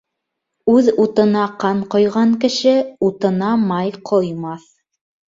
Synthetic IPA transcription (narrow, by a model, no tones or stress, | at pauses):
ʉðut̪ɤ̆nɑqɑɴqŏjʁɑŋkɘ̆ʃɘut̪ɤ̆nɑmɑjqʰŏjmɑθ